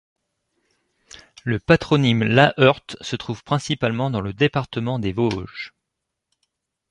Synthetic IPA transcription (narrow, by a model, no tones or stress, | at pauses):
ləpat̪χɔnimlaʔœʁt̪sət̪χuv̥pχɛ̃sipalmɑ̃d̪ɑ̃ləd̪epaʁt̪əmɑ̃d̪evoʒ